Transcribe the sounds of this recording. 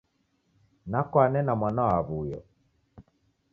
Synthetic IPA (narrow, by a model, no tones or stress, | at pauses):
nakwanɛnamwanaaβujɔ̰